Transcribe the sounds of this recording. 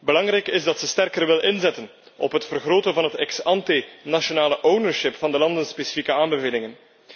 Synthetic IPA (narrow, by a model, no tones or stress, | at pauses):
bəlɑŋrɛjkɪzdɑtsəstɛrkərʋɪlɪnzɛtən | ɔ̰pɦətfərɣroːtənvɑnɦətɛksɑntɪnaʃonaːləʔownəɹʃɪpfɑndəlɑndənspeːsi̥fikəaːmbəveːlɪŋən